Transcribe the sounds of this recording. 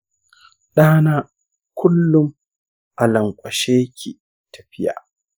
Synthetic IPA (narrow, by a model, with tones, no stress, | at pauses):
ɗaː˦naː˦ | kʷʰʊ˦lːʊ˦m | ʔa˨lɐ˨ŋkʷʼɐ˨ʃeː˦kʲʰi˨ | tʰḁ˨ɸɪ˦ja̰ː˨